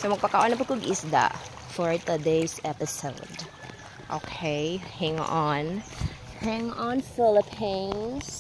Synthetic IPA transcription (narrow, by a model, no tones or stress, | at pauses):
somɐɡ̚pakaʔɔ̃nɐpʊkʊɡʔɪsd̪a̰ʔ | fɔɹt̪əd̪eɪsɛpɪsoʊd̪ | ʔo̰kʰehɛ̃ŋɔ̃n | hɛ̃ŋɔ̃nfɪləpʰĩns